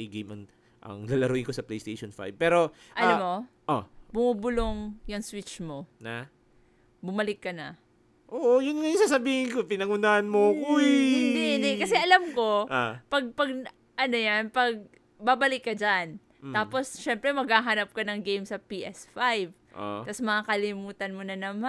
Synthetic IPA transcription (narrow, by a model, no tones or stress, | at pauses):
ɐjɡejmʔɐŋ | ʔɐ̰ŋlalɐɾʊʔɪnŋkosɐplejst̪ejʃonfa̰jb̚pɛːɾo̞ | ʔɐnomo̞ | ʔobʊmubʊloŋjʊŋswɪt͡ʃmo̞nɐ | bʊmɐlɪkːɐnɐ̰ | ʔoːʔojʊnŋɐjʊŋsaːsɐbiːhɪnkopɪnɐŋʊnaːʔɐnmokojnd̪ɛd̪ɛkɐsɛʔɐlamko̞ʔapɐɡ̚pɐɡ̚ | ʔɐnojanpɐɡ̚ | babɐlɪkːɐd͡ʒan | t̪aːpo̞sʃɛmpɾɛmɐɡhaːɦanɐp̚kɐnɐŋɡejmsɐpiːʔɛsfajv | ʔo̰t̪ɐsmɐŋakɐlɪmuːt̪ɐnmonɐnɐma